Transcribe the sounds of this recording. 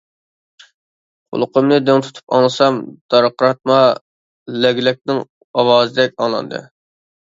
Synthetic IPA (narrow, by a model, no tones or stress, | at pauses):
qʰʊ̰lˠʊqʰəmnɨd̪eŋt̪ʰu̥t̪ʰu̥pɑ̰ŋlˠɨsɑmd̪̥ɑɾqʰɾɑt̪̚mɑ | lɛɡʲlɛk̚ʲnɪŋ | ɑwɑːzɪd̪ɛkʲɑŋlˠɑ̰nd̪ɨ̰